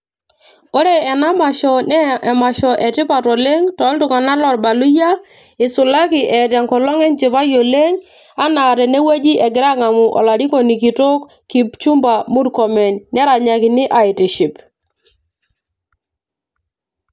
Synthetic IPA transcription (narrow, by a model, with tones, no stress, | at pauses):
o˦ɾe˨ɛ˨na˦ma˨ʃɔ˨nɛ˦ɛ˨ma˨ʃɔ˨ʔɛ˨tɪ˦pa˨tɔ˨le˦ŋtɔ˨˦ltʊ˨ŋa˨na˦lɔ˨ɾba˨lu˦ja˦ | ɪ˨sʊ˨la˦kɪ˨ʔɛ˨tja˨ŋkɔ˨lɔ˦ŋɛ˦nt͡ʃi˨pa˦jo˨le˦ŋ | a˦na˨tɛ˨nɛ˦we˦d͡ʒi˦ʔɛ˨ɡɪ˨ɾa˦ŋa˨mu˨ʔɔ̰˨la˨di˦kɔ˨ni˨ki˨to˦k | kːi˨pt͡ʃu˦mba˨mu˦dkɔ˨mɛ˨nnɛ˦ɾa˨ɲa˨kɪ˨nɪ˦ʔa˨ɪ˨ti˨ʃi˨p